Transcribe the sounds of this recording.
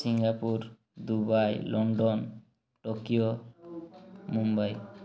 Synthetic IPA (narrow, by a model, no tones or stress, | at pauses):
siŋɡapuɾ | d̪ubajlɔɳɖɔn | ʈokijo | mumbaj